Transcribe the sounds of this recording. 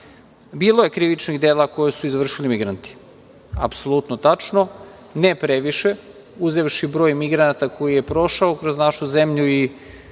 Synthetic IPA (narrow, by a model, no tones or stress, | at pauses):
biːlˠoje̞kɾiʋit͡ʃniɣd̪eːlˠako̞jesuizʋr̩ʃilimiɡɾant̪i̥ | a̰psolˠut̪not̪at͡ʃno | nepɾeʋiʃe | uzeʋʃibɾo̞ːjmiɡɾanat̪ako̞jije̞pɾo̞ʃaokɾoznaʃuzemʎui